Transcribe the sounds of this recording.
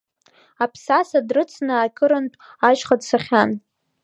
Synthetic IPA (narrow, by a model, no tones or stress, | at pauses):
apʰsasadrɨt͡sʰnɨːkʲʰʼɨɾɨntʼaʒχadsaχʲan